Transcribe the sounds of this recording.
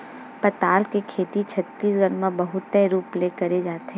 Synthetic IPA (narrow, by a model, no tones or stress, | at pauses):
pɐt̪aːlkekʰeːt̪it͡ʃʰɐt̪ːiːsɡɐnmãbɐɦʊt̪ːɛɾuːplekɐɾed͡ʒaːt̪ɛː